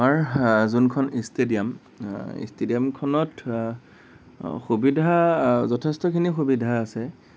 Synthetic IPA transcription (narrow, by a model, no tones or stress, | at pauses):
maɹzunkʰɔnistedijam | ḭstediamkʰɔnɔt | xubidʱazɔtʰestɔkʰinixubidʱaːsɛ